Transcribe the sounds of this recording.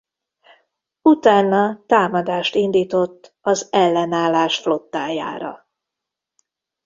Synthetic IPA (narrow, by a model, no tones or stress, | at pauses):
ut̪aːnːɒt̪aːmɒd̪aːʃt̪ind̪iːt̪o̞t̪ː | ɒzɛlːɛnaːlːaːʃflo̞t̪ːaːja̰ːɾɒ̰